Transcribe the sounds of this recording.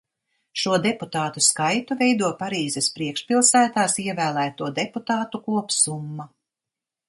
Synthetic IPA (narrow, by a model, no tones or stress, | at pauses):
ʃuɔd̪ɛput̪aːt̪uskajt̪uvɛjd̪uɔpaɾiːzɛspɾiɛkʃpilˠsæːt̪aːsiɛvæːlˠæːt̪uɔd̪ɛput̪aːt̪ukuɔpsumːa